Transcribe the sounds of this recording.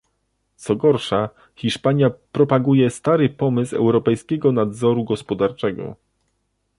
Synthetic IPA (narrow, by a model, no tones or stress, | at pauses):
t̪sɔɡɔɾʂa | xʲiʂpaɲjapɾɔpaɡujɛst̪aɾɘpɔmɘsɛ̰wɾɔpɛjskʲɛɡɔnad̪zɔɾuɡɔspɔd̪aɾt͡ʂɛɡɔ̰